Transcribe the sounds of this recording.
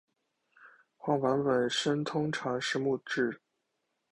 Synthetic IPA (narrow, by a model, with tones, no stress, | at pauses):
xwɑ˥˩wa˧˥npə˨˩nʂə˥ŋt̪ʰʊ˥ŋʈ͡ʂʰɑ˧˥ŋʂɻ̩˥˧mu˥˧ʈ͡ʂɻ̩˥˩